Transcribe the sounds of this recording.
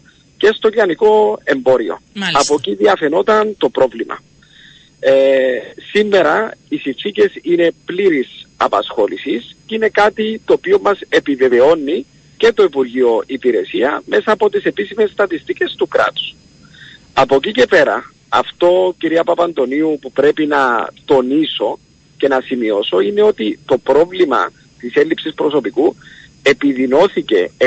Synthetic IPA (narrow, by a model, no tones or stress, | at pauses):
ce̞st̪o̞ciɐniko̞e̞mbo̞ɾio̞̰ɐpo̞ciðiɐfeno̞t̪ɐnt̪o̞pɾo̞vlimʔɐ̰ | simːe̞ɾɐisinfθice̞sine̞pliɾisɐ̰pɐsxo̞lisiscine̞kat̪it̪oːpio̞mːɐse̞pive̞ve̞o̞nːi | ce̞t̪o̞ipuɾʝio̞ʔipiɾe̞siɐ̰me̞sɐːpo̞t̪ise̞pisime̞sːt̪ɐt̪ist̪ice̞st̪ukɾɐ̰t̪u̥s | ɐpocice̞pe̞ɾɐ̰ | ɐ̰ft̪o̞ciɾiɐpɐpɐnd̪o̞niupupɾe̞pinɐt̪o̞niso̞ | ce̞nɐsimio̞so̞ine̞o̞t̪it̪o̞pɾo̞vlimɐ̰ | t̪ise̞lipsispɾo̞so̞piku | e̞piðino̞θice̞̰